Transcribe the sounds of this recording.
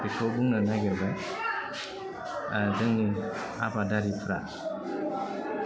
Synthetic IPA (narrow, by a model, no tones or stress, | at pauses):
itʰɔbuŋnanaɡɛba | dɯŋni | abadaɾipʰɯɾa̰